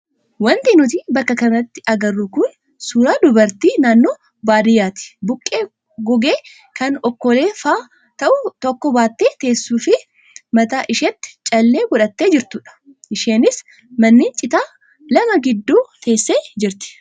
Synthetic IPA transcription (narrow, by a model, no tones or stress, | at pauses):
wɐnt̪iːnʊt̪iːbɐkːɐkɐnɐt̪ːɪ̥ɐɡɐrːʊkʊn | suːɾaːd̪ʊbɐɾt̪iːnaːnːoː | baːɾɪjaːt̪ɪ̥bʊkʼːe̞ː | ɡɔɡeː | kɐnɔkːɔle̞ːfaː | t̪ɐʔʊt̪ɔkːɔbaːt̪ːeːt̪e̞ːsːuːfɪ | mɐt̪aːʔɪʃɛt̪ːɪ̥t͡ʃʼɐlːe̞ːɡɔᶑɐt̪ːe̞ːd͡ʒɪɾt̪ʊᶑɐ̥ | ʔɪʃe̞ːnɪs | mɐnːiːnt͡ʃʼɪt̪aː | lɐmɐɡɪd̪ːuːt̪ʰe̞ːsːe̞ːd͡ʒɪɾt̪ɪ̥